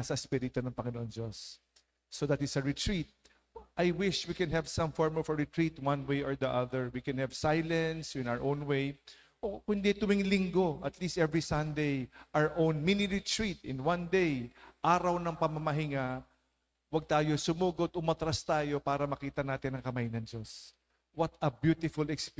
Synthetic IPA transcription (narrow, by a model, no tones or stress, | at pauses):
sɐspiɾɪt̪onɐŋpɐŋɪnoʔoŋd͡ʒosː | od̪at̪ɪsɐɹɪt̪ɹit̪̚ | ʔajwɪʃwikɛ̃nɦɛvsɐ̃mfɔɹmlfɹɪt̪ɹit̪wɐ̃nwejɔɹd̪ɐʔɐðɛɹwikɛ̃nhɛvsajlɐnswɪ̃nawəɹʔõwnwej | ʔokʊ̃nd̪ɛt̪ʊmɪŋlɪŋɡo̞ʔɐt̪list̪ɛvɹisɐ̃nd̪ejʔaɹʔõwnminiɹɪt̪ɹit̪ɪ̃nwãnd̪ejʔaːɾɐwnɐŋpɐmɐmɐɦɪŋa | wɐɡ̚t̪aːjosʊmuːɡot̪ʔʊmɐt̪ɾast̪aːjo̞paːɾɐmɐkiːt̪ɐnaːt̪ɪnɐŋkɐmajnɐŋd͡ʒo̞s | wɐt̪ɐbjut̪ɪfʊlɛksp